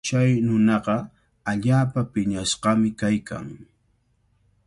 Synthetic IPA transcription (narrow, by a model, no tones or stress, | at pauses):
t͡ʃajnʊnɑqɑ | aʎaːpapɪɲasqɑmɪkajkʰa̰ŋ